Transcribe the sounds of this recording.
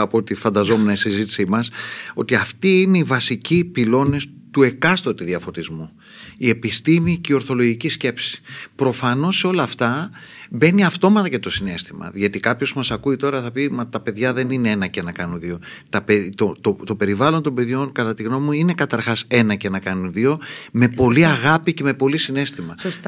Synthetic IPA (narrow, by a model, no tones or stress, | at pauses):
ɐpo̞t̪ifɐnd̪ɐzo̞menɐisizit̪i̥simɐso̞̰t̪iɐft̪iineivɐsicipilo̞ne̞st̪ue̞kɐst̪ot̪iðiɐfo̞t̪izmu | ie̞pist̪imiceio̞ɾθo̞lo̞ʝicisce̞psi̥pɾo̞fɐno̞sːeo̞lɐːft̪ɐbe̞niɐft̪o̞mɐt̪ɐcet̪o̞sine̞st̪imɐ̰ðʝɐt̪ikɐpço̞zmɐsɐkuit̪o̞ɾɐθɐpimɐt̪ɐpe̞ðʝɐðe̞nineenɐcenɐkɐnunðio̞ | t̪ɐpet̪ot̪ot̪o̞pe̞ɾivɐlo̞nt̪ombe̞ðʝo̞nkɐt̪ɐt̪iɣno̞muine̞kɐt̪ɐɾxɐse̞nɐcenɐkɐnunðio̞me̞po̞liɐɣɐpice̞me̞po̞lisine̞st̪imɐs